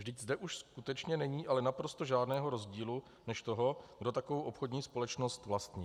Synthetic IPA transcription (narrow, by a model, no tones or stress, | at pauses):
vʒdɪczdɛʔuʃskut̪ɛt͡ʃɲɛnɛɲiːʔalɛnapɾo̞st̪oʒaːdnɛːɦo̞ɾo̞zɟiːlu | nɛʃt̪o̞ɦo̞ɡdo̞t̪akovowʔo̞pxo̞dɲiːspo̞lɛt͡ʃno̞st̪vlast̪ɲiː